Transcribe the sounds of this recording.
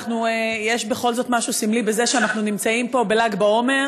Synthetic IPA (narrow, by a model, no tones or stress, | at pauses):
χnuejeʃbe̞χo̞lzo̞t̪maʃusimlibe̞zeʃeanaχnunimt͡saimpo̞belaɡbao̞me̞ʁ